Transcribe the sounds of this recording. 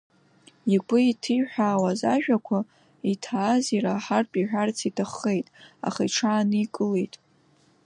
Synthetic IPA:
ikʷʊitʰɨjħʷᶣaːwazaʒᶣakʷʰa | itʰaːziɾaħarpʼiħᶣart͡sʰitʰaχːe̞jtʼa̰χa̰iʈ͡ʂʰaːnɨikʼɨle̞jtʼ

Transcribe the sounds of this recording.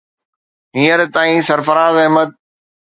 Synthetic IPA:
ɦĩːəɾt̪aːĩsɐɾfəɾaːzəɦmət̪̚

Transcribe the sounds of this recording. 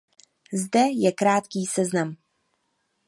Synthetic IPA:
zdɛjɛkɾaːt̪kiːsɛznam

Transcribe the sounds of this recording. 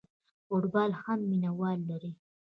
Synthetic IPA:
foʈbɑlhamːinawɑlːaɾi

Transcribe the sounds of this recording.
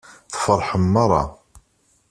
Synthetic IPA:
θə̥fəɾˤħəmːɑɾˤɑ̰

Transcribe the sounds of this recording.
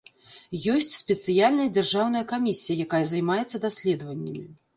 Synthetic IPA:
jɔsʲt͡sʲsʲpʲɛt̪sɨjalʲnɐjɐd͡zʲarʐawn̪ɐjɐkamʲisʲijɐjakajɐzɐjmajɛt̪sːɐd̪asʲlʲɛd̪ɐvɐnʲːɐmʲi

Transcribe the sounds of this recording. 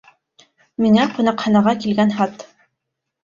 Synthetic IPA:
miŋæqŭnɑqχɑnɑʁɑkilɡænχɑt̪

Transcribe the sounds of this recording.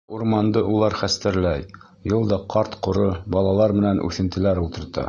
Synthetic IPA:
uɾmɑnd̪ɤʔulˠɑɾχæst̪ɘ̆ɾlæj | jɤlˠd̪ɑqʰɑɾt̪qŏɾɤbɒlˠɑlˠɑɾmɘ̆nænʔʉ̰θɘ̆nt̪ɘ̆læɾulˠt̪ɤ̆ɾt̪ɤ̰

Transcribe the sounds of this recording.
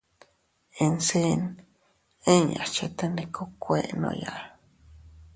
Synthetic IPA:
ensen | eɲa̰t͡ʃet̪anikʰokʷeʔno̰jaʔ

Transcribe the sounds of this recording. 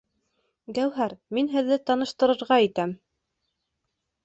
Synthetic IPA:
ɡæwɦæɾminɦɘ̆ðːɘt̪ɑnɤ̆ʃt̪ɤ̆ɾɤ̆ɾʁɑit̪æm

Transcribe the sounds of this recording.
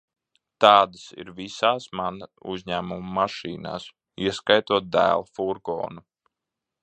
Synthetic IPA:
t̪ɑːd̪əsḭɾvisaːsmanuzʲɲæːmumuːaʃiːna̰ːs | iɛskajt̪uɔt̪̚d̪æ̰ːlˠfuɾɡɔ̰ːnu

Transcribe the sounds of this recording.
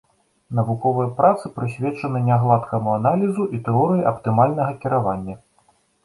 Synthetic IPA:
nɐvukɔvɨjɐpɾat̪sɨpɾɨsʲvʲɛt͡ʂɐnɨnʲaɣlˠat̪kɐmuanalʲizuʔit̪ɛɔɾɨjiʔɐpt̪ɨmalʲnɐɣɐkʲiɾavanʲːɐ

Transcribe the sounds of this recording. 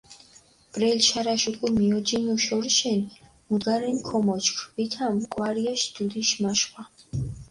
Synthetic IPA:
b̥ɾɛlʃaɾaʃukʼumiɔd͡ʒinuʃɔɾʃɛn | muɡaɾɛnkʰɔmɔt͡ʃkʰbit̪ʰamkʼwaɾiaʃd̪̥ud̪iʃmaʃχʼa

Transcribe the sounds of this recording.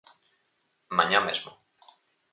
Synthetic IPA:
mãɲamezmo

